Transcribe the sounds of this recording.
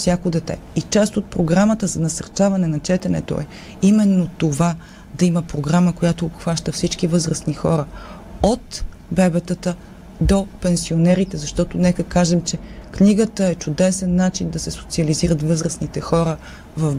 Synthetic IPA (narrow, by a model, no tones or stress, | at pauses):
fsʲjakod̪ɛt̪ɛ̰it͡ʃast̪ot̪̚pɾoɡɾamət̪əzɐnɐsɐɾt͡ʃavɐnɛnɐt͡ʃɛt̪ɛnɛ̰t̪o̰ɛ | imɛnːot̪ova | d̪ɐiməpɾoɡɾaməkojat̪oːpxvaʃt̪əfsit͡ʃkivɤzɾəsnixɔ̰ɾə | ot̪ | bɛbɛt̪ət̪ə | d̪opɛnsionɛɾit̪ɛzɐʃt̪ɔt̪onɛkəkaʒɛmt͡ʃɛkniɡət̪əɛt͡ʃʊd̪ɛsɛnːat͡ʃind̪ɐsɛso̥t̪siɐliziɾət̪vɤzɾəsnit̪ɛxɔɾə | vɐf